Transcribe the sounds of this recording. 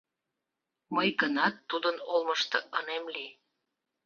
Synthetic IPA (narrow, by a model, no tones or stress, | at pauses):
məjkənɑt̪ːud̪ənolməʃt̪ɤ̆ʔənemli